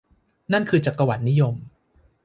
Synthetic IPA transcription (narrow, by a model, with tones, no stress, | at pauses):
na˥˩nkʰɯː˧t͡ɕaː˨˩kːa˧wa˨˩t̪̚ni˦˥jo˧m